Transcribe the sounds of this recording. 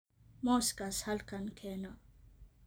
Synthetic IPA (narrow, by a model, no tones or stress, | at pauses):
moskashalkankʰena